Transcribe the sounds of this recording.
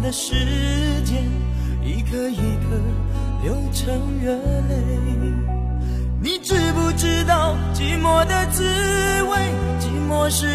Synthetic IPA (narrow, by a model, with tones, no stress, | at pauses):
d̪ə˨ʂɻ̩˧˥t͡ɕjɛ˥n | i˧˥kʰə˧i˧˩kʰə˧ | ljo˨˧˥ʊʈ͡ʂʰɤ˧˥ŋɥɛ˧˦˥nle˥˩ɪɪ | ni˨˩ʈ͡ʂ̩˥˩pu˥˧ʈ͡ʂɻ̩˥t̪ɑ˥˩ʊ | t͡ɕi˧˥mwɔ˧˥d̪ə˨t͡sɹ̩˥ | we˥ɪ | t͡ɕi˧˥mwɔ˧˥ʂɻ̩˥˧